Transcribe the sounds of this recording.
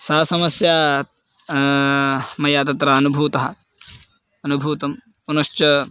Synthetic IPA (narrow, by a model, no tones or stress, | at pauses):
sɐɐsɐmɐsjaː | mɐjaːt̪̬ɐt̪ɾɐɐnubʱuːt̪ɐɦɐ̆ | ɐnubʱuːt̪ɐm | unɐʃt͡ʃɐ